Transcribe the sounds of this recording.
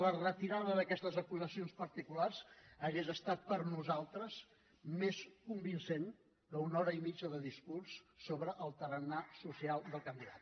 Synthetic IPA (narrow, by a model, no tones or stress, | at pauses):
lərət̪iɾaðəðəkɛst̪əzəkuzəsionspəɾt̪ikularz̥əɣezəst̪at̪̚pəɾnuzalˠt̪ɾəz | meskumbinsen | d̪əunɔɾəimid͡ʒəðəðiskursːoβɾəʔəlˠt̪əɾənasusialˠd̪əlˠkənd̪iðat̪